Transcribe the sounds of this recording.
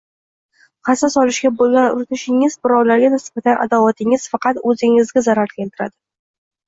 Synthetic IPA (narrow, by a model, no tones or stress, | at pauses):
qʰɑsasɒlɪʃɡʲabolaɾʊ̰ɾɪt̪ʰɪʃɪŋɪzbɪɾɒwlaɾɡʲanɪsb̥at̪anʔa̰d̪avat̪ʰɪŋɪz̥fɑqɑt̪ɵzɪŋɪzɡʲazaɾaɾkʲent̪ɪɾa̰d̪ɪ